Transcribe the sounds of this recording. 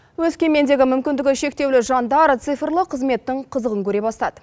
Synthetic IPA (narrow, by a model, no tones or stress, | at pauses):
wɵzkʲe̞me̞nd̪e̞ɡʲɪmʏmkʲɪnd̪ɪɡʲɪʃe̞k̚t̪e̞wlɪʒɑnd̪ɑɾt̪sɨjfəɾlˠəqʰəzme̞t̪ːɪɴqʰəzəʁəŋkʲʰɵɾe̞bɑst̪ɑd̪ə